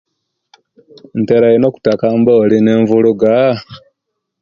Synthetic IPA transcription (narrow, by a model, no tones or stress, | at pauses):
nteɾajenoku̥takamboːlineːɱvuluɡa